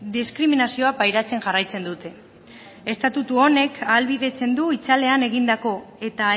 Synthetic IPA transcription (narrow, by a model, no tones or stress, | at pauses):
d̪iskɾiminasio̞apajɾat͡se̞ŋʝarajt͡se̞nd̪ut̪e̞ | e̞st̪at̪ut̪uo̞ne̞kʰaːlβiðe̞t͡se̞nd̪uit͡sale̞ane̞ɣ̞ind̪ako̞e̞t̪a